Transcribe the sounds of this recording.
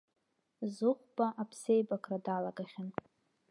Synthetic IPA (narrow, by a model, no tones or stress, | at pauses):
zɨχʷb̥aʔapʰse̞jbakʰradalaɡaχʲan